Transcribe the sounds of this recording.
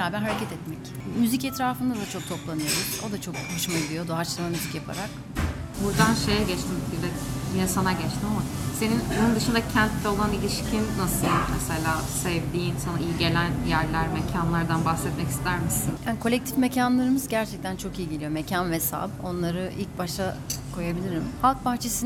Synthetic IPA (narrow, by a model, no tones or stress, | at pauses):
ɾaːbæɾɦaɾecʰɛt̪ʰɛt̪mɛc | myzicɛt̪ɾaːfɯnd̪ad̪at͡ʃʰo̞k̚t̪ʰo̞plˠanɯjoɾuz̥o̞d̪at͡ʃʰo̞k̚houʃmaɟid̪ijo̞d̪oat͡ʃlˠanamyzicjapʰa̰ɾak | buɾd̪anʃejɛɟɛt͡ʃt̪ʰimbiɾd̪ɛbijɛsanaɟɛt͡ʃt̪ʰimamase̞ninbonund̪ɯʃɯnd̪acʰænt̪lɛo̞lˠanilʲiʃcʰinːasɯlˠmɛselʲaː | sɛvd̪iːnsanaijiɟe̞lʲænjæɾlʲæɾmecʰanlˠaɾd̪anbaxsɛt̪mɛci̥st̪ʰæɾmisinjaːnikʰolʲɛct̪ʰifme̞cʰanlˠaɾɯmɯzɟæɾt͡ʃʰɛc̚t̪ʰænt͡ʃʰo̞kijɟilʲijo̞me̞cʰanvɛsa̰bo̞nlˠaɾɯʔilʲc̚baʃakʰo̞jabilʲiɾimhalˠk̚pʰaxt͡ʃʰe̞sin